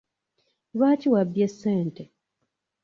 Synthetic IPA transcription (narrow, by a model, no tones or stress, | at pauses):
lwaːciwabje̞sːeːnte